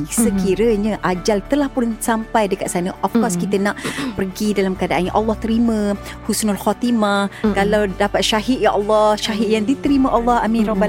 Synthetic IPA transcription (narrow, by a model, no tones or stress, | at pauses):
səkiɾəɲaʔad͡ʒalt̪əlahpʊnsampajdəkat̪̚sanəʔɔfkɔrskit̪ənaʔpərɡidalamkəadaʔanjãʔɑlːɑht̪əɾimə̃ | husʊnalxɔt̪imakalawdapat̪̚ʃaɦit̪̚jaʔɑlːɔhʃaɦit̪̚jaŋdit̪əɾimə̃ʔɑlːɔha̰mĩɾɔbal